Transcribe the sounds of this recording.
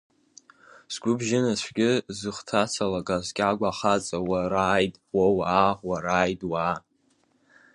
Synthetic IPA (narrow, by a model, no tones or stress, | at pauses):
sɡʷʊbʒɪnasʷʰɡʲɪzɨχtʰat͡sʰalakʼazkʲʼaɡʷaχat͡sʼawaɾaːjtʼwowaːwaɾaːjtʼwaː